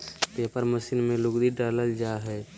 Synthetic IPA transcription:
peːpəɾməsɪnmẽlʊɡd̪iɖaːləld͡ʒaɦɛː

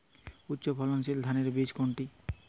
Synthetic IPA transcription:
utːɕopʰɔlonsild̪ʱaneɾbid͡ʑkoɳʈi

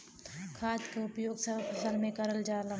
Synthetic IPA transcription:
kʰaːd͡ʒkeʊpjoːɡsəpsəlmẽkəɾəld͡ʒaːla

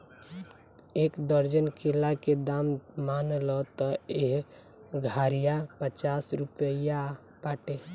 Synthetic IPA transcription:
ekd̪əɾd͡ʒənkʰelaked̪ammanlɔt̪ɔeɦ | ɡʱaɾijapət͡ʃasɾupəja | paʈe

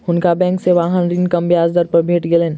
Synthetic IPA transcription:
hʊnkabɛ̃ːŋkseʋaːɦənɾinkɐmbjaːzd̪əɾpɐɾbʱeːʈɡelẽːn

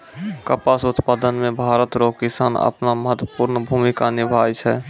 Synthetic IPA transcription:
kəpasʊt̪paːd̪ənmẽbʱaːɾət̪ɾoːkkɪsaːnə̰pnaməɦət̪wəpuɾnəbʱumikanɪbʱaːjt͡ʃʰɛ

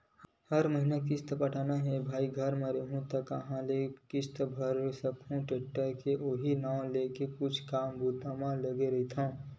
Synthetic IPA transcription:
həɾməɦinak̬ɪst̪əpəʈʰanaɦẽbʱaːiɡʱəɾmə̃ɾeɦũt̪əkəɦãlekɪst̪əbʱəɾsəkʰũʈeʈːəkeʔoɦinaːw̃lekekʊt͡ʃʰkaːmbut̪amãləɡeɾəit̪ʰã

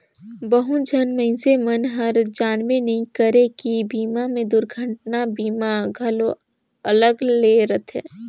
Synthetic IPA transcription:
bəɦʊd͡ʒənməɪ̃semənɦɐɾd͡ʒaːnmenɐĩkəɾekibiːmamẽd̪ʊɾɡʱəʈnabiːmaɡʱɐlo | ələɡleːɾət̪ʰɦɛ̰ː

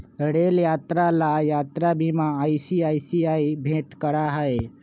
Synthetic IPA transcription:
əɽeljat̪ɾalajat̪ɾabimãːjsiajsiaibʱeʈkəɽaɦae

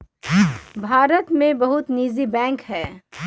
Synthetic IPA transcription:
bʱaːɾət̪mẽbɐɦʊt̪niːzibɛ̃ːŋkɦɛː

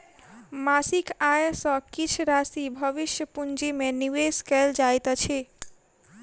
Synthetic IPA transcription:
masikajsə̃kit͡ʃʰɾasibʱəʋiʃjəpund͡ʒimeniʋeskɛld͡ʒajt̪t͡ʃʰi

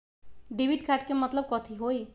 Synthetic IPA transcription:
ɖiʋiʈkʰaʈkemət̪ləb̚kɔt̪ʰiɦoj

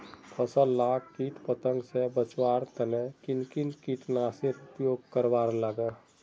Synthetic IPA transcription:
pʰəsəllːakʰkiʈpət̪ə̃ŋɡsebət͡ʃwaɾt̪ənekinkinkiʈnaseɾʊpjoːɡ̚kəɾbaɾlaɡə

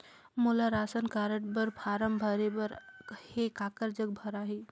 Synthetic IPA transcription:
mulaɾasənkaɾəʈbəɾpʰaɾəmbʱəɾebəɾhekakəɾd͡ʒəɡ̚bʱəɾaɦi

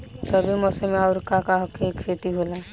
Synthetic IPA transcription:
t̪əbʱimɔsemeaʊɾkakaɦɔkʰekʰeʈ̪iɦola

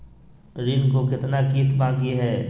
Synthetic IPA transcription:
ɾɪnkokɪt̪nakiːt̪bãːkjeɦɛː

